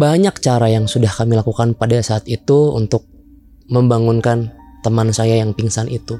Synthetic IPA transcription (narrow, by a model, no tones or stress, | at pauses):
baɲak̚t͡ʃaɾajaŋsudahkamilakukanpadasaːt̪it̪uṵnt̪ʊk̚ | məmbaŋunkant̪əmansajajaŋpiŋsanʔit̪u